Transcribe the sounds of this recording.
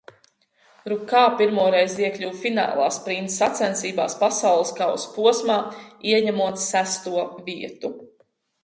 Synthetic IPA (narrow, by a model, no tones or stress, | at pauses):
ɾukaːpiɾmuɔɾɛjziɛkʎʲuwfina̰ːlˠa̰ːspɾint̪sat̪sɛnsiːbaːspasawlˠɨskawspuɔsmaːiɛɲæmuɔt̪sæst̪uɔviɛt̪u